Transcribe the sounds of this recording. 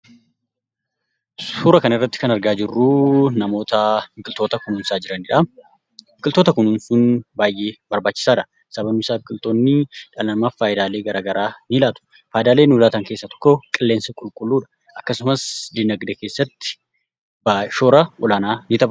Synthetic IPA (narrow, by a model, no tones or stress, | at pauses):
suːɾɐkɐnɪrːɐt̪ːɪ̥kɐnɐɾɡaːd͡ʒɪrːuːnɐmo̞ːt̪ɐɪŋkʼɪlt̪o̞ːt̪ɐkʊnuːnsaːd͡ʒɪɾɐnɪᶑaːm | ɪŋkʼɪlt̪o̞ːt̪ɐkʊnunsʊnbaːjʔe̞ːbɐɾbaːt͡ʃːɪ̥saːᶑɐ | sɐbɐnʊsaːfkʼɪlt̪o̞ːnːɪᶑɐlɐmaːfaːjd̪aːleːɡɐɾaːɡɐɾaːnɪlaːt̪ʊ̥ | faːjd̪aːleːnʊːlaːt̪ɐŋke̞ːsːɐt̪ɔ̥kːɔkʼɪlːeːnsɐkʼʊlkʼʊlːuːᶑɐ̥ | ʔɐkːɐsʊmɐsd̪ɪnɐɡd̪ɛke̞ːsːɐt̪ːɪ̥ | baʃo̞ːɾɐʔɔlaːnaːnɪt̪ɐbɐ